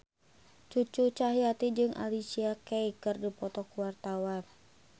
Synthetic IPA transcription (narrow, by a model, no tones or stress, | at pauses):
t͡ʃut͡ʃut͡ʃaɦiat̪id͡ʒɨŋʔa̰lisiakɛikɨrdipɔt̪ɔkuwart̪awan